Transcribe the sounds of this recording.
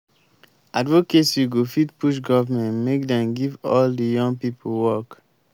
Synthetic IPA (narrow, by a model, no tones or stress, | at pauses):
advoketsiɡofitpuʃ̬ɡɔvmɛ̃ntmek̚dɛ̃mɡivɔldəjɔ̃ŋɡpipolwɔk